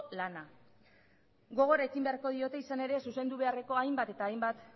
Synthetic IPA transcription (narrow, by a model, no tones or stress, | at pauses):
lana | ɡo̞ɣ̞o̞ɾaekimbe̞aɾko̞ðio̞t̪e̞isane̞ɾe̞suse̞nd̪uβe̞are̞ko̞ajmbat̪e̞t̪aːjmbat̪